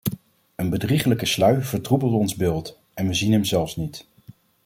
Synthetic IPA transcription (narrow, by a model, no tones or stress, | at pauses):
ənbədriχələkəslœɥv̥əɹtrubəlˠdɔnzbɪːlˠt | ɛnʋəzinɦɛmzɛlˠfsnit